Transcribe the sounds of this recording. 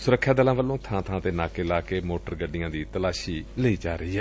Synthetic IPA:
sʊɾəkʰːjaːd̪əlãːʋəlːõːt̪ʰãːt̪ʰãːt̪eːnaːkeːlaːkeːmoːʈəɾɡəɖːɪjãːd̪iːt̪əlaːʃiːləiːd͡ʒaːɾəiːɦɛː

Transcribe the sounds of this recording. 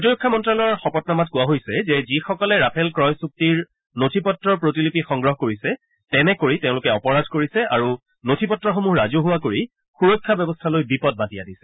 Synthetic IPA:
utiɹokʰːamɔntɹalɔɹxɔpɔtnamat̚kʊwaɦojsɛzɛzixɔkɔlɛɹapʰɛlkɹɔjsuk̚tiɹ | notʰipɔtɹɔɹpɹotilipixɔŋɡɹɔɦkoɹisɛ | tɛnɛkoɹitɛʊ̃lʊkɛɔpɔɹadʱkoɹisɛaɹu | notʰipɔtːɹɔxomuɦɹazoɦuwakoɹi | xuɹokʰːabɛbɔstʰalojbipɔt̚batijadisɛ̥

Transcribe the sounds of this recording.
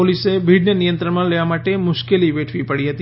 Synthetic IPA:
olisebʱiɖnənijə̃nt̪ɾəɳmãleʋamaʈemʊʃkeliʋeʈʰʋipəɽiɦət̪i

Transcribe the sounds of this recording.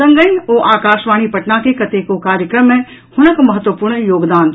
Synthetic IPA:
ɐ̃ŋɡəj̃oːʔaːkaːʃʋaːɽ̃ipɐʈnakekɐt̪ekokaːɾjəkɾəmːẽ | hʊnəkmɐɦət̪ʋəpuːɾɳjoːɡd̪aːn

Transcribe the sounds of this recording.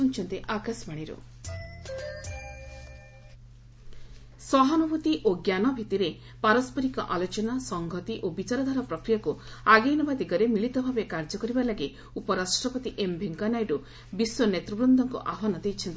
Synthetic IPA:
unt͡ʃʰɔnt̪iʔakasmaɽ̃iɾo̰ | sɔɦanubʱut̪iʔoɡjanɔbʱit̪iɾe | paɾɔspɔɾikɔ̰ʔalot͡ʃɔnasɔŋɡʱɔt̪iʔobit͡ʃaɾɔd̪ʱaɾɔpɾɔkɾijakuaɡejnɔbad̪iɡɔɾemiɭit̪ɔbʱabekaɾd͡ʒɔkɔɾibalaɡi | upɔɾasʈɾɔpɔt̪iʔembʱeŋkanajɖu | biswɔnet̪ɾɔbɾund̪ʱɔŋkɔ̰ʔaɦwanɔd̪ejt͡ʃʰɔnt̪i

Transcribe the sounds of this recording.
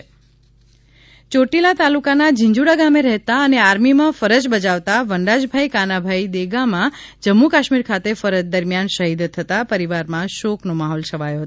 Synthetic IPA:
t͡ʃoʈilat̪alukanad͡ʒɪ̃ɲd͡ʒuɽaɡameɾəɦt̪aəneaɾmimãfəɾəd͡ʒbəd͡ʒaʋt̪aʋəɳɖad͡ʒbʱaikanabʱaid̪eɡamã | d͡ʒəmːukaʃmiɾkʰat̪efəɾəd͡ʒd̪əɾmjanʃəɦid̪t̪ʰːət̪apəɾiʋaɾmãʃoknomaɦɔlsʰəʋajoɦət̪o

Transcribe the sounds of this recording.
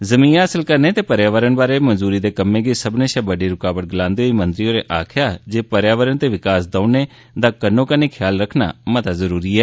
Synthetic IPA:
zəmĩːaːəsəlkəɾneːt̪eːpəɾjaːʋəɾənbaːɾeːmənzuːɾiːd̪eːkəmẽːɡeːsəbnẽːʃɛbəɖeːɾʊkaːʋət̪̚ɡɪlãːnd̪eːɦoiːmənd̪ɾɪoːɾeːʔaːkʰjaːd͡ʒeːpəɾjaːʋəɾəɳt̪eːʋɪkaːsd̪aːneː | d̪aːkənːõːkəneːkʰjaːlɾəkʰna̰ːmət̪azəɾuːɾiːɛː

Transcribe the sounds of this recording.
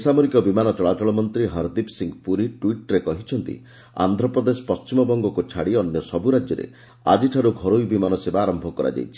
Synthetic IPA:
isamɔɾikɔbimanɔt͡ʃɔɭat͡ʃɔɭɔmɔnt̪ɾiɦɔɾd̪ipsiŋpuɾiʈwiʈɾekɔɦit͡ʃʰɔnt̪ḭ | a̰nd̪ʱɾɔpɾɔd̪esɔ̥pɔst͡ʃimɔbɔŋɡɔkut͡ʃʰaɽiɔnjɔsɔbuɾad͡ʒjɔɾḛ | a̰d͡ʒiʈʰaɽuɡʱɔɾojbimanɔsebaːɾɔmbʱɔkɔɾa̰d͡ʒa̰jt͡ʃʰi̥

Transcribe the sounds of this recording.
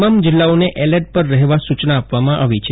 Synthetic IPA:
mamd͡ʒɪlːaoneʔɛləʈ̚pəɾːəɦeʋasut͡ʃnaːpʋamãʔaʋit͡ʃʰ

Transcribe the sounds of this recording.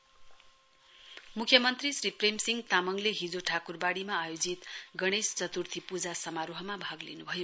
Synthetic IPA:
mukʰjʌmʌnt̪risripremsiŋɡt̪amʌŋleɦid͡zoʈʰakurbaɽimaːjod͡zit̪ɡʌɽ̃est͡sʌt̪urt̪ʰipud͡zasʌmaɾuɦʌmabʱʌɡlinubʱʌjo

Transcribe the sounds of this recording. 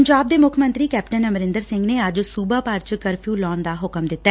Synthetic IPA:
əɲd͡ʒaːb̚d̪eːmʊkʰmə̃nt̪ɾiːkɛːpʈənəmɾɪnd̪əɾsɪ̃ŋɡneːəd͡ʒsuːbaːpaɾt͡ʃkəɾpʰjuːlɔːnd̪aːɦʊkəmd̪ɪt̪ːa

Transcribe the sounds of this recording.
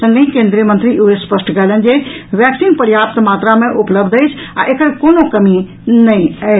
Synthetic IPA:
sɐ̃ŋɡəɦĩkeːnd̪ɾijəmə̃nt̪ɾiʔuespəsʈɡɐːlənd͡ʑeʋjɛːksiːnpɐɾjaːp̚t̪maːt̪ɾamẽʔʊpləbd̪əjt͡ʃʰa̰ʔekəɾkoːnokɐmi | nɐĩɐe

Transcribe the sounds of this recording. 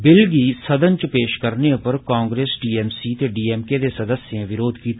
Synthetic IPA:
bɪlɡiːsəd̪ənt͡ʃəpeːʃkəɾneʊpəɾkãːŋɡɾeːsɖiːɛːmsiːt̪eːɖiːɛːmkeːd̪eːsəd̪əsːjãːʋɪɾoːd̪kiːt̪ː

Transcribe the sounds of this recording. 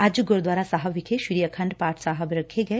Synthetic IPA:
ad͡ʒɡoɾd̪ʋaːɾasaɦɐbikʰeʃuɾijɐkʰɐ̃ɳɖ̪paːɾʈʰsaɦəbɾɐkʰeɡɐe

